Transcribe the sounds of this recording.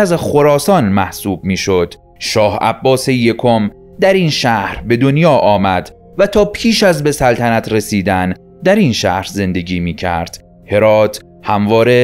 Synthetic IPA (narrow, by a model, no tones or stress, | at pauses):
æzxo̞ɾɒːsɒːnmæhsuːb̚miːʃod̪̥ | ʃɒːhæ̰bːɒːseje̞kʰom | d̪æɾinʃæhɾbe̞d̪o̞njɒːʔɒːmæd̪ | væt̪ʰɒːpʰiːʃæzbe̞sælt̪ʰænæt̪ʰɾe̞siːd̪æn | d̪æɾinʃæ̰hɾze̞nd̪e̞ɟiːmiːcʰæ̰ɾd̪̥ | he̞ɾɒːt̪ʰ | hæmvɒːɾe